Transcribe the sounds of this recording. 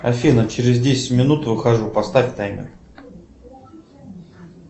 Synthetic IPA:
ɐfʲinət͡ɕɪɾʲɪzdʲesʲɪ̥tʲmʲɪnut̪vɨxɐʐupɐst̪afʲt̪ajmʲɪ̰

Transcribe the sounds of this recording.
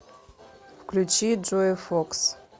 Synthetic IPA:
fkʲlut͡ʃid͡ʒojfoks

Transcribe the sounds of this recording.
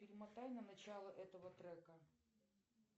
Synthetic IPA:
pʲɪɾʲɪmɐt̪ajʲnɐnɐt͡ɕalˠəʔɛt̪əvət̪ɾɛkə

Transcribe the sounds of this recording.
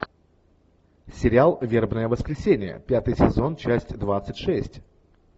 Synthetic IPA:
sʲɪɾʲɪalˠvʲe̞rbnəjəvəskɾʲɪsʲenʲɪjə̰pʲat̪ɨjsʲɪzo̞nt͡ɕæsʲtʲd̪vat̪sɨtʲʂɛsʲtʲ

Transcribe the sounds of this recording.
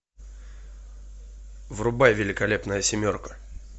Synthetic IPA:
vrʊbajvʲɪlʲɪkɐlʲe̞pnəjəsʲɪmʲo̞rkə̥

